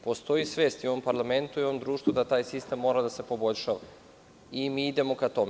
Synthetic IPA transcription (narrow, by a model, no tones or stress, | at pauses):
po̞st̪o̞jisʋe̞ːst̪ioʋo̞mpaɾlame̞nt̪uio̞ʋomd̪ɾuːʃt̪vud̪at̪aːjsist̪e̞mːo̞ɾad̪ase̞po̞bo̞ʎʲʃaʋa̰ | imiid̪e̞mo̞kat̪o̞me